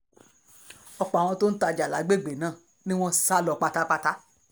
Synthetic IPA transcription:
ɔ˧k͡pa˨w̃ɔ̃˧to˦n̩˦ta˧˨d͡ʒa˨la˨˦ɡ͡be˦˨ɡ͡be˨nãː˦˨ | nĩ˦w̃ɔ̃˦sa˦lɔ˧k͡pa˧ta˦k͡pa˧ta˦

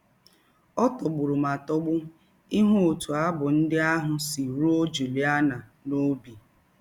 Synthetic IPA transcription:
ɔ˦tɔ˨ɡ͡bʊ˨ɾʊ˨ma˨tɔ˦ɡ͡bʊ˦ | i˦ɦʊ˦o˨tu˨a˦bʊ˨n̩˦dɪ˦a˦ɦʊ˨si˨ɾu˦o˦d͡ʒu˨li˨a˦na˨no˦bi˨

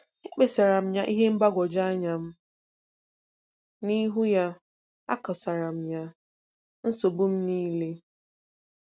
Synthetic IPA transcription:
e˦k͡pe˨sa˨ɾa˨m̩˦ɲa˦ʔi˦ɦe˦m̩˦ba˦ɡʷɔ˨d͡ʒa˦ɲa˨m̩˦ | ni˦ɦu˦ja˦ | a̰˦kɔ˨sa˨ɾa˨m̩˨ɲa˦ | n̩˦so˨bʊ˦m̩˦niː˦le˦

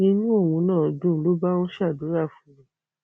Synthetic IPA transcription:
nĩ˧˦nũ˦o˦˨wũ˧nãː˦˨dũ˦˨lo˨˦ba˦wɔ̃˦ʃa˦˨do˨˦ɾa˦˨fũ˨˦ĩ˨˦

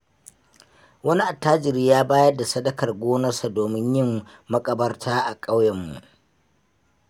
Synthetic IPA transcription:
wɐ˦ni˦ʔa˨tːaː˦d͡ʒɪ˨ɾiː˦jaː˦baː˦jɐ˦da˨sɐ˦dɐ˦kɐ˨rɡʷoː˦nɐ˦rsa˨doː˨mɪ˦ɲjɪ˦mːɐ˦kʼɐ˨bɐ˦rtʰaː˦ʔa˨kʼa˦wjɐ˨mːṵ˨ʔ

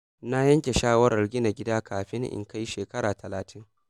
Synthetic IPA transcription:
na˦jɐ˦ŋkʲe˨ʃaː˦wɐ˦ɾɐ˨rɡʲɪ˦na˨ɡʲɪ˦daː˦kʰaː˨ɸɪ˦ŋʔɪ̰˨ŋka˦ji˦ʃeː˨kɐ˦ɾaː˨tʰɐ˨laː˨tʰɪ˦ŋ

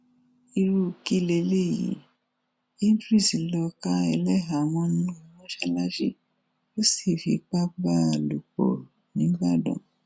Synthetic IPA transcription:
i˧ɾu˦˨ki˦le˧le˦˨jḭ˨˦ | ĩ˦n˦dɾi˦˨si˨lɔ˧kã˦ɛ˧lɛ˦ɦa˨mɔ̃˦nũ˦i˨mɔ̃˦ʃa˧la˦ʃḭ˦ | o˦si˦˨fi˨k͡pa˦ɡ͡ba˦˨lu˨k͡pɔ̰˨ | nĩ˨˦ɡ͡ba˦˨dɔ̰̃˨

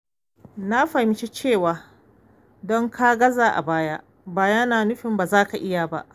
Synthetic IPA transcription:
na˦ɸa˨m˦t͡ʃi˦t͡ʃeː˦˨waː˨ | dɔ˦ŋkʰa˦ɡɐ˦zaː˨ʔa̰˨baː˦ja˦ʔ | baː˨jɐ˦naː˨nʊ˦ɸɪ˨mbaː˨zaː˦ka˨ʔɪ˦ja˨ba̰˦ʔ

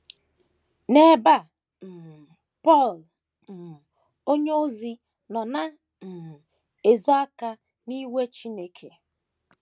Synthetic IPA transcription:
ne˦ba˦˨ | m̩˨ | pɔ˦˨l | m̩˨ | o˦ɲe˦o˦zi˦ | nɔ˨na˦ | m̩˨ | e˨zɔ˦a˦ka˦ | ni˦we˦t͡ʃi˦ne˦kʰe˨

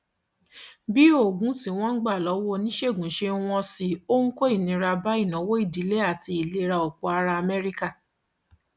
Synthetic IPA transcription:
bi˦o˦˨ɡũ˨˦tĩ˨˧˦w̃ɔ̃˦ɡ͡ba˦˨lɔ˨˦wo˦nĩ˦ʃe˦˨ɡũ˨˦ʃe˧˦w̃ɔ̃˧si˧o˦ŋ̩˦ko˦i˦˨nĩ˨˦ɾa˧ba˦i˦˨nã˨˦wo˦i˦˨di˨˦le˦a˦˨ti˧i˨le˨˦ɾa˧o˨k͡pɔ˨a˧ɾa˧a˧˨mɛ˦ɾi˦ka˦˨

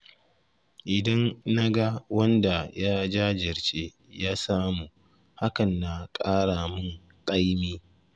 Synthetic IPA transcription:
ʔɪ˨dɐ˦nːa˦ɡa˦wɐ˦nda˨ja˦d͡ʒaː˦d͡ʒɪ˨ɾt͡ʃe˦ | jaː˦saː˦mu˨ | ha˦kɐ˨nːa˨kʼaː˦ɽaː˨mʊ˦ŋ | kʼa˦jmiː˦

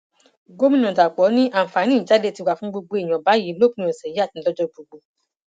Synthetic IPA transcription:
ɡo˦mĩ˦nɔ̃˨ta˨k͡pɔ˨˦nĩ˦ʔa˦˨fa˨˦nĩ˦˨˦d͡ʒa˨˦de˦˧˨ti˧wa˨fũ˦ɡ͡bo˧ɡ͡bo˧˦e˨j̃ɔ̃˨ba˨˦ji˨˦lo˦kĩ˨˦ɔ̃˨sɛ˨˦a˦˨ti˨˧˦lɔ˦d͡ʒɔ˧ɡ͡bo˨˧ɡ͡bo˧˨

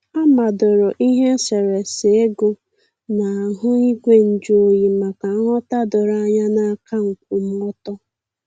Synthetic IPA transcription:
a˦ma˨dʊ˨ɾʊ˨ʔi˦ɦe˦se˨ɾe˨se˨e˦ɡʊ˦ | na˨a˨ɦʊ˦i˦ɡʷe˦n̩˨d͡ʒo˨ji˨ma˨ka˨a˦ɦɔ˦ta˦dʊ˨ɾa˦˨a˦ɲa˦na˨˦ka˦ŋ̩˨kʷu˨m̩˦ɔ˦tɔ˦

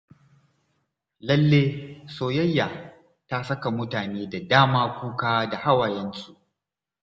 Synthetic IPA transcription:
lɐ˦lːeː˦soː˨jɐ˦jːa˨ | ta˦sɐ˦ka˨mʊ˦taː˨neː˦da˨daː˦maː˦kʷuː˦kaː˦da˨ha˦waː˨jɛ˦nsu˨ʔ

